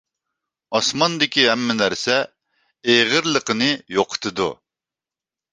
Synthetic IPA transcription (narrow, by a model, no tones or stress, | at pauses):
ɑsmɑnd̪ɪkʲiɦɛmːɛnæɾsɛ | eʁəɾlˠəqʰənɨjoqʰə̥t̪ʰɨd̪ṵ